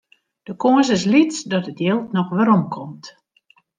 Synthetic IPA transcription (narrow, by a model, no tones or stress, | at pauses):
d̥əkoəsɪs̬litt͡sdɔtətjɪlˠtnɔxʋəɾɔmkʰɔmt